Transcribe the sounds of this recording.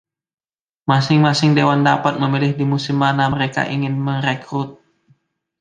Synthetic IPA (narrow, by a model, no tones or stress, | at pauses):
masɪŋmasɪŋdewandapat̪̚məmilɪhdimusɪmːanaməɾeka̰ʔiŋɪnməŋɾɛkɾut̪̚